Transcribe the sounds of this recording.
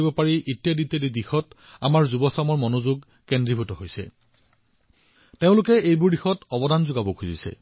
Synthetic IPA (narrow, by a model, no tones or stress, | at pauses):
ibɔpaɹiʔitijaditjadidixɔt | amaɹzubɔsamɔɹmɔnozuɡ | kendɹibʱutɔɦojsɛ̰ | teʊ̃lʊkɛejbʊɹdixɔtɔbɔdanzʊɡabɔkʰuzḭsɛ̰